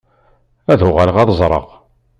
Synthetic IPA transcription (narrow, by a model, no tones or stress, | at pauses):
æðʊʁælʁɑðˤzˤɾˤə̰ʁ